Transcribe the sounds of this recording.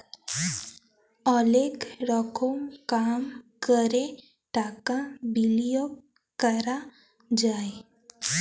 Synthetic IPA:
ɔlekɾɔkʰomkamkəɾe | ʈakãbilijok̚ | kəɾa | d͡ʒaːe

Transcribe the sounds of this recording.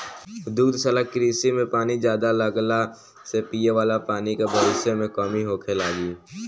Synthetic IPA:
d̪uːd̪səlakːɾiːsimẽpaːnid͡ʒjaːd̪aləɡla | sepiːeʋaːlapaːnikebəʋɪsemẽkɔːmiɦoːkʰelaːɡiː

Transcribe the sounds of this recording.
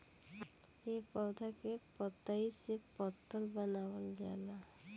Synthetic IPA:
epɔwd̪ʱakepɔt̪aisepɔt̪ːɔlbɔnabɔlɡia̰la

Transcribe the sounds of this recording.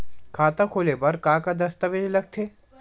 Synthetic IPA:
kʰaːt̪akʰoːlepɐɾkaːkad̪ɐst̪əʋed͡ʒlɐɡ̚t̪ʰeː

